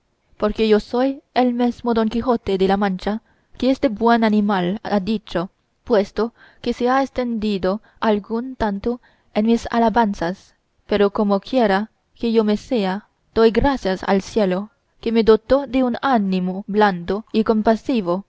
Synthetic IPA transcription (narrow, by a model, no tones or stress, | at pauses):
poɾkejosojelmezmod̪oŋkixot̪ed̪elamãnt͡ʃa | keesd̪ebwenanimalad̪it͡ʃo | pwest̪o | keseaest̪end̪id̪o | alɡunt̪ant̪o | enmisa̰labansas | peɾokomokʰjeɾa | kejomesea | t̪ojɡɾasjasa̰lsjelo | kemed̪ot̪od̪eunanimobland̪oikompasivo